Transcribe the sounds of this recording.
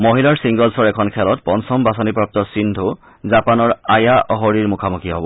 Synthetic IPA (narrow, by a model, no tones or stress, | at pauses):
moɦilaɹsiŋɡɔlsɔɹɛkʰɔnkʰɛlɔtpɔnsɔmbasɔnipɹɔp̚tɔsindʱu | zapanɔɹajaʔɔɦoɹiɹmʊkʰamukʰiɦɔbɔ